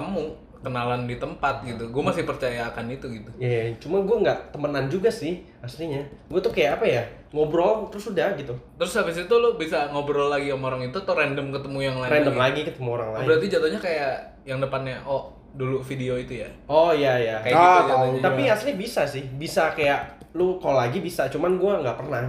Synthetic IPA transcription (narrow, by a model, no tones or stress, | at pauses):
t̪əmu | kənalandit̪əmpat̪̚ɡit̪uɡuɛmasɪhpərt͡ʃajakanit̪uɡit̪ujat͡ʃumaɡuaŋɡaʔt̪əmənand͡ʒuɡasɪh | asliɲaɡuɛt̪ʊhkajaʔːpaja | ŋobɾɔlt̪əɾʊsudahɡit̪ut̪əɾʊsabɪs̬it̪ulʊhbisaŋobɾɔlːaɡiomaoɾaŋit̪ut̪uɾɛndəmkət̪əmujaŋlaɾɛndəmmlaɡikət̪əmuoɾaŋlabəɾart̪id͡ʒat̪ohɲakajaʔ | jaŋdəpanɲaʔɔ | dulufideoit̪ujaɔjajakajaat̪aat̪aiasilɲabisasɪhbisakajaʔlʊkalaɡibisat͡ʃumanɡuaŋɡaʔpərnah